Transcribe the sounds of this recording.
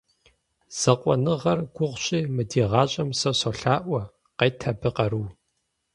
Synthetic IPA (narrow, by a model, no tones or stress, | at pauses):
z̥ɐqʷʼɔ̰nɨʁɐrɡ̥ʷʊʁʷɕʼiːmɨdiːʁɑːɕʼɐmsɐɕɐɬaːʔʷɐ | qejtʰɐbɨqɐɾuw